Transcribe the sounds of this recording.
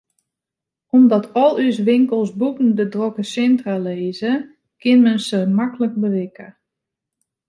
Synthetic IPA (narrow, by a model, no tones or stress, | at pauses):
ɔmdɔtʰɔlˠys̬ʋɪŋkəlˠsbukn̩dədrokəsɛntraleːzə | kɪnmənsəmaklək̚bəʋɪkə